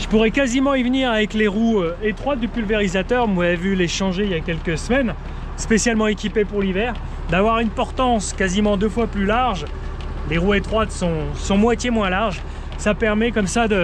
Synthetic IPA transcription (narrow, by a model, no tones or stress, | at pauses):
ʒə̥puʁɛkazimɑ̃ivniʁavɛkleʁuøet̪χwat̪̚d̪ypylveʁizat̪œʁmwavyleʃɑ̃ʒeijakʲɛlkəsmɛn | spesjalmɑ̃ekʲipepuʁlivɛːʁ | d̪avwaʁynpɔʁt̪ɑ̃skazimɑ̃d̪øfwaplylaʁʒ | leʁuet̪χwat̪sɔ̃sɔ̃mwat̪jemwɛ̃laʁʒ | sapɛʁmɛkɔmsad̪ə